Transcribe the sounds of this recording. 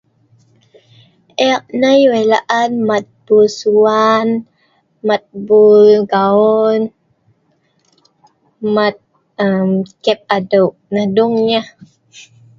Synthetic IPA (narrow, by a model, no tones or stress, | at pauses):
ʔɛk̚najwelaʔanmat̪̚b̥usuan | mat̪̚bulɡaɔn | mat̪̚ | əmkɛp̚adoʔ̚nahduŋɲah